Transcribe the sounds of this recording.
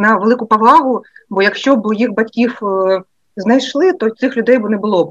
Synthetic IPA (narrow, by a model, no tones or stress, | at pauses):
nɐʋelˠɪkʊpɐʋlˠɑɦʊbɔjɐkʃt͡ʃɔbjixbɐtʲkʲiw | znɐjʃlˠɪt̪ɔt̪sɪxlʲʊd̪ɛjbʊnɛbʊlˠɔb